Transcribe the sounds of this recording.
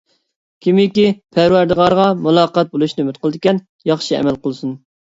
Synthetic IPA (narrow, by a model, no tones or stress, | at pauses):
kʲʰimɪkʲipʰæɾwæɾd̪ɨʁɑɾʁɑmulˠɑːqɑt̪̚bolˠuʃnymɪt̪qəlˠd̪ɪkʲɛn | jɑχʃiɛ̰mɛlˠqəlˠsun